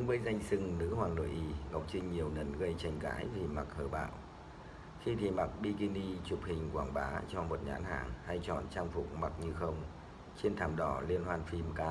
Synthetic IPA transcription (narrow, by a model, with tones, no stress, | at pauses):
ɨ˨˦ŋvə˨˦jza˧jŋ̟sɨ˧ŋnɨ̰˧˥hwaː˨˩nlo̰˧˨jʔi˧˩ŋə˨˩wk͡p̚t͡ɕï˧ŋ̟ɲi˨˩əwnə˨˩nɣə˧jt͡ɕa˧˩jŋ̟ka̰ː˧˦˥jvi˨˩ma˨˩k̚həː˧˩ɓa̰ː˧˨w | xi˧t̪ʰi˨˩ma˨˩k̚ɓi˧ki˧ni˧t͡ɕu˨˩p̚hï˨˩ŋ̟kwaː˧˩ŋɓaː˨˦t͡ɕɔ˧mo˨˩t̚ɲa̰ː˨˦nha̰ː˧˩ŋha˧jt͡ɕɔ̰˧˨nt͡ɕaː˧ŋfʊ̰˨˩k͡p̚ma˨˩t̚ɲɨ˧xə˧wŋ͡m | t͡ɕe˧nt̪ʰaː˧˩mɗɔ˧˩li˧ənhwaː˧nfi˧mkaː˨˦